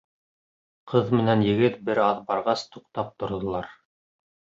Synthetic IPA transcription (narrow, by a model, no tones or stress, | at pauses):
qʰɤðmɘ̆nænjɘ̆ɡɘt̪̚bɘɾɑðbɑɾʁɑst̪uqt̪ɑp̚t̪ŏɾðŏlˠɑɾ